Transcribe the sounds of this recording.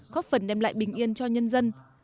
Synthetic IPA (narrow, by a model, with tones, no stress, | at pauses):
xɔ˨˦˥t̚fə˨˩nɗɛ˧mla̰ː˧˨jɓï˨˩ŋ̟ʔi˧ənt͡ɕɔ˧ɲə˧nzə˧n